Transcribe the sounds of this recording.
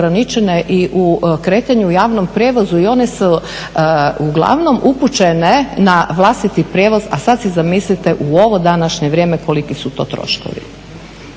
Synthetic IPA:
ɾanit͡ʃeneʔiʔukɾe̞ːt̪aɲuujaːʋnompɾʲjeʋozuio̞nesu | uɡlˠa̰ʋno̞mʔuput͡ʃenenaʋlˠast̪it̪ipɾjeʋoza̰sad̪sizamislit̪e̞ʔuo̞ʋo̞d̪anaʃɲeʋɾʲjeːmeko̞likisut̪o̞ːt̪ɾo̰ʃko̰ʋḭ

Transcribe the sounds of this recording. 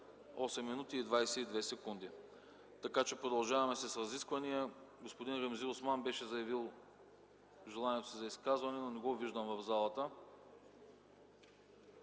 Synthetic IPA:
ɔsɛmːinut̪iːd̪vajsɛid̪vɛsɛkund̪i | t̪ɐkat͡ʃɛpɾod̪ɐlˠʒavɐmɛsɛsɾɐziskvɐnijəɡospod̪inɾɛmziosmanbɛʃɛzɐjɐvilˠ | ʒɛlˠaniɛt̪o̥sizɐiskazvɐnɛnonɛɡɔviʒd̪əmvɐvzalˠət̪ə

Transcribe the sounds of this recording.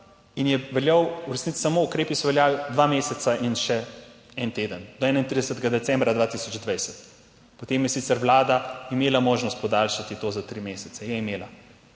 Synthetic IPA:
injɛʋɛljawuɾɛsnit̪si̥samoukɾeːpisɔʋɛljaːlid̪ʋameːsɛt̪saʔinʃɛ | ɛnt̪eːd̪ənd̪ɔɛːnaint̪ɾid̪ɛsət̪ɛɡad̪ɛt̪t͡s̪ɛmbɾad̪ʋat̪isɔd͡ʒd̪ʋajsɛt̪ | pɔt̪emjɛsit̪sɛɾʋlaːd̪aimeːlamoːʒnɔst̪pɔd̪alʃat̪it̪oːzat̪ɾimesɛt̪ɛjɛimeːla

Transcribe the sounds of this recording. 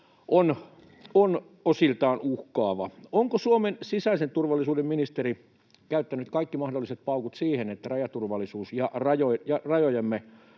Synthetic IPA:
ʔon | on | osilt̪ɑːnuhkɑːʋɑ̰oŋkosuomensisæisent̪urʋɑlːˑisuːdemminist̪eri | kæyt̪ːænyt̪kɑikːimɑhdolːiset̪̚pɑukut̪siːhenet̪ːærɑjɑt̪urʋɑlːˑisuːsjɑrɑjojjɑrɑjojɑmːe

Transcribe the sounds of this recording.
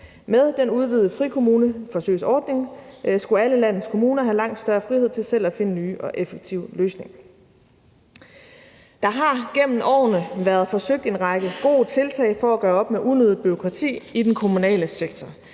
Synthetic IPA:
með̞ˠd̥enuð̞ˠʋið̩ˠəfʁikʰo̝muːnəfɒ̽sø̰ɪsɒːd̥ne̝ŋsɡ̥uæləlæn̰ð̩ˠskʰo̝muːnɐɦælɑ̈ŋ̰d̥sd̥ɶɐfʁiheð̰ˠt͡sʰe̝lsel̰æfe̝nənyːʔɒ̽ʔefeɡ̥̚t͡sʰiʊ̰løːsne̝ŋ | d̥ɑ̈ɦɑ̈ɡ̥em̰m̩ʔɒ̰ːnəʋæɐð̞̩ˠfɒ̽søɡ̥̚d̥e̝nʁɑ̈ɡ̥əɡ̥o̝̰ːt͡sʰe̝lt͡sʰɛ̰ɪfɒ̽æɡ̥ɶːɐɒ̽b̥meʔuðnøð̩ˠb̥yʁo̝kʰʁɑ̈t͡sʰḭːid̥enkʰo̝munɛ̰ːləseɡ̥̚t͡sʰɒ

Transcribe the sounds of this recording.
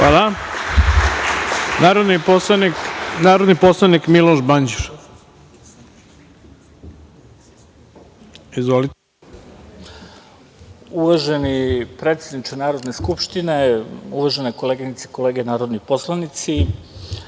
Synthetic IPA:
xala | naːɾod̪ninnaːɾod̪niposlˠanikmilˠoʃband͡ʑiɾ | izʋolit̪e | uʋaʒenipɾe̞t̪sjed̪nit͡ʃanaːɾo̞d̪neskupʃt̪ineuʋaʒeneko̞leːɡinit̪se̥ko̞le̞ːɡenaːɾo̞d̪nipo̞slˠanit̪si

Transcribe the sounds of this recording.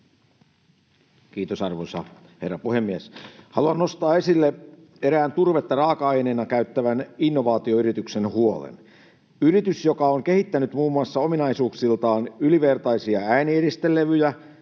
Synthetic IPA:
kiːt̪osɑrʋosɑ̰ | he̞rːɑpuhemːieshɑ̰luɑnno̞st̪ɑːe̞silːe | eɾæːnt̪urʋet̪jɑrɑːkɑɑjneːnɑkæyt̪ːæʋæninːoʋɑːt̪ioyɾit̪yksenhuolḛn | yɾit̪ysjokɑoŋke̞hit̪ːænyt̪muːmːuɑsːɑo̞minɑisuːksilt̪ɑːnyliʋe̞rt̪ɑisiɑæinieɾist̪elːeʋyjæ

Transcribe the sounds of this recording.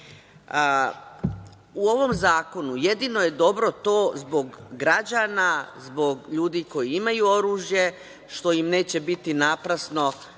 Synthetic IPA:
uo̞ʋo̞mzaːko̞nuje̞d̪ino̞je̞d̪o̞bɾo̞t̪o̞ːzbo̞ɡːɾad͡ʑanazbo̞ɡʎuːd̪iko̞jiimajuo̞ɾuːʒje | ʃt̪o̞imne̞ːt͡ɕe̞bit̪inapɾasno̞

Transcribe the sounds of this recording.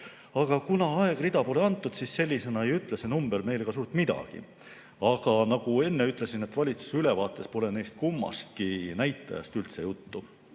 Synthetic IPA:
ɑɡ̥ɑkunɑɑe̞ɡ̥rid̪̥ɑpo̞le̞ɑnt̪ːˑud̪̥sisse̞lʲːise̞nɑejyt̪ˑlese̞numb̥e̞lme̞jleɡ̥ɑs̬uːɾt̪mid̪ɑ̰ɡ̥ḭ | ɑɡ̥ɑnɑɡ̥ue̞nːe̞yt̪ːˑle̞sinet̪ːˑvɑlʲit̪su̥sylevɑːt̪ːˑe̞spo̞le̞ne̞jst̪̚kumːɑ̰st̪̚kinæjt̪ːˑɑ̰jɑ̰st̪ylt̪se̞jut̪ːu

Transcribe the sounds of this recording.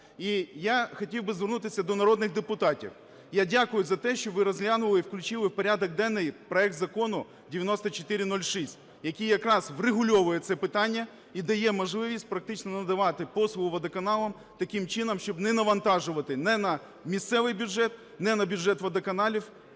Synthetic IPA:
ijaxɔtʲiwbɪzʋernut̪ɪsʲɐd̪ɔnɐɾɔd̪nɪɣd̪epʊt̪ɑtʲḭw | jadʲakʊjʊzɐt̪ɛʃt͡ʃɔʋɪɾɐzʲɦlʲanʊʋɐlˠɪwklʲʊt͡ʃɪlˠɪwpɔɾʲad̪ɔɡ̚d̪ɛnːɪjpɾɔɛk̚t̪zɐkɔnʊ | dʲɪʋʲjɐnɔst̪ɐt͡ʃot̪ɪɾʲɪnɔlʲʃisʲtʲ | jɐkʲijɐkɾɑzʋrɪɦʊlʲɔʋʊjɛt̪sɛpɪt̪ɑnʲːɐ | id̪ɐjɛmɐʒlˠɪʋʲisʲt̚ʲpɾɐk̚t̪ɪt͡ʃnɔnɐd̪ɐʋɑt̪ɪpɔsˠʊʋɐd̪ɐkɐnɑlˠɐm | t̪ɐkʲɪmt͡ʃɪnɐmʃt͡ʃɔbnɛnɐʋɐnt̪ɑʒʊʋɐt̪ɪnɛnɐ | mʲist̪sɛʋɪjbʲjʊdʒɛt̪̚ | nɛnɐbʲʊdʒɛt̪ʋɐd̪ɐkɐnɑlʲiw

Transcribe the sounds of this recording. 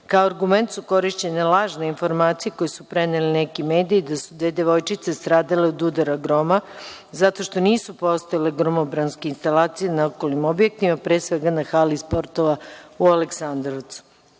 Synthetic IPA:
kaoaɾɡume̞nt̪suko̞ɾiʃt͡ɕe̞nelˠaːʒneinfo̞ɾmaːt̪sijeko̞jesupɾenelinekimeːd̪ijːd̪asud̪ʋeːd̪eʋo̞jt͡ʃit̪sest̪ɾaːd̪aleod̪ud̪aɾaɡɾo̞ma | zat̪o̞ʃt̪o̞niːsupo̞st̪ojaleɡɾomobɾanskeinst̪alaːt̪sijenaokolnimo̞bje̞k̚t̪imapɾesʋeɡanaxalispo̞ɾt̪o̞ʋaualeksand̪ɾoʋt̪su̥

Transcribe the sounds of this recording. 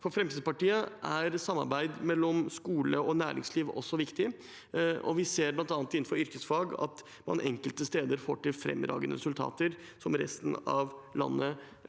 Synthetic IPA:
fɔɾfɾɛmsid̪əpɑʈiːəʔæɾsɑmːɑ̰ɾbæɪd̪mɛlːɔmskuːləɔnæ̰ːɾɪ̰ŋsliːʋɔ̰sːɔʋɪkt̪ɪ | ʔɔ̰ʋɪseːɾblɑnt̪ɑːnt̪ɪnːn̩fɔɾʏɾkəsfɑːɡɑ̰t̪ | mɑ̰nʔɛŋkəlt̪əst̪eːd̪əɾfo̰ːʈɪlfɾɛ̰mːɾɑ̰ːɡənəɾɛsʉlt̪ʰɑ̰ːt̪əɾ | sɔmɾɛ̰st̪nɑʋlɑ̰nːə

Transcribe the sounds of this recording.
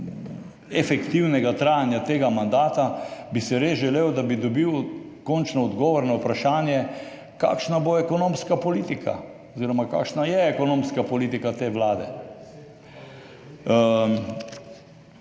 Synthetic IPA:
ɛfɛkt̪iwnɛɡat̪ɾaːjanjat̪eːɡamand̪aːt̪abisɛɾezʒɛleːwd̪abid̪ɔbiwkɔnt͡ʃnɔːd̪ɡɔːʋɔɾnɔwpɾaʃaːnjɛ | ka̰ːkʃnaboɛkɔnõːmskapɔliːt̪ikʰa̰ | ɔziɾɔmaka̰ːkʃnajɛɛkɔnõːmskapɔliːt̪ikat̪eːʋlaːd̪ɛ̰

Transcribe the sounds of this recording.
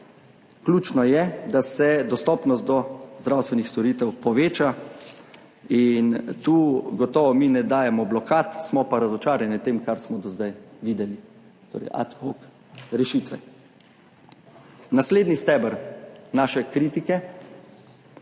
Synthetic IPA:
klʲuːt͡ʃnɔjɛd̪asɛd̪ɔst̪ɔːpnɔst̪̚d̪ɔzd̪ɾawst̪ʋɛnixst̪ɔɾit̪ɛwpɔʋeːt͡ʃa | int̪uːɡɔt̪ɔːʋɔminɛd̪aːjɛmɔblɔkaːt̪smɔpaɾazɔt͡ʃaːɾjɛnit̪emkaɾsmɔd̪ɔzd̪ajʋiːd̪ɛli | t̪o̰ɾɛ̰jʔa̰t̪hok | ɾɛʃiːt̪ʋɛ | nasleːd̪nist̪ɛbəɾnaːʃɛkɾit̪ikɛ

